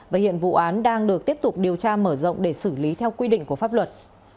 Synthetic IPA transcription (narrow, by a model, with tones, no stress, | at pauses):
vaː˨˩hḭ˧˨ənvṵ˧˨ʔaː˨˦nɗaː˧ŋɗɨ˨˩ək̚t̪i˦˥əp̚t̪ʊ˨˩k͡p̚ɗi˨˩əwt͡ɕaː˧məː˧˩zɔ̰˧˨wŋ͡mɗe˧˩sɨ˧˩li˨˦t̪ʰɛ˧wkwi˧ɗḭ˧˨ŋ̟ku˧˩əfaː˦˥p̚lwə˨˩t̚